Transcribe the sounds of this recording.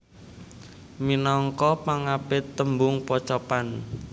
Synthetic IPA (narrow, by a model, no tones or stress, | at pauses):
minɔŋkɔpaŋapɪt̪ːəmbʊŋpɔt͡ʃɔpan